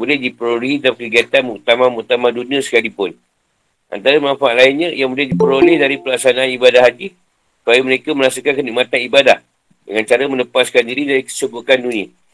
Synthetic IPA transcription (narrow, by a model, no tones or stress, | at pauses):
bulɛhdipəɾolitakəɡiat̪anmuʔt̪amãmut̪amãdunĩəsə̥kalipʊn | ʔa̰nt̪aɾəmãnfaʔlainɲəjaŋbulɛhdipəɾolɛhdaɾipəlaksanaanibadahad͡ʒi | ssu̥pajəməɾekaməɾasukankənik̚mat̪anibadah | dəŋant͡ʃaɾəmə̃ləpaskandiɾidaɾikə̥səbukandunĩə